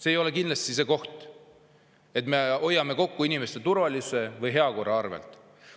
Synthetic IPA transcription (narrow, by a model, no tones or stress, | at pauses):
se̞ːjo̞lekind̪lɑst̪sis̬e̞ko̞ht̪ˑ | e̞t̪me̞o̞jːɑme̞ko̞kːuinime̞st̪e̞t̪uɾvɑlʲise̞vɤjɦe̞ɑko̞rɑɑrvḛlt̪ˑ